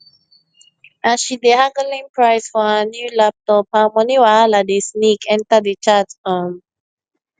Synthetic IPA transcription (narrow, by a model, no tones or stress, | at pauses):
ʔaʃidehãŋɡəlĩŋpʰɹaɪsfɔhənjuːlap̚tɔp̚hamɔniwaaladesnikʰɛ̃ntədət͡ʃatam